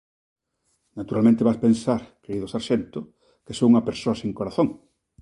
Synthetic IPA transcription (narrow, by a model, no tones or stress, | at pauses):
nat̪uɾalmẽnt̪eβaspensaɾkeɾiðosaɾʃent̪ʊ | kesouŋɐpeɾsoɐseŋkoɾaθõŋ